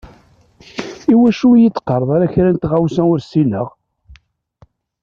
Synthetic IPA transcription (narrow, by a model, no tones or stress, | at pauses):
iwæʃujət͡sːqːɑɾˤəðˤɑɾæçɾænt̪ʁawsæʊɾsiləʁ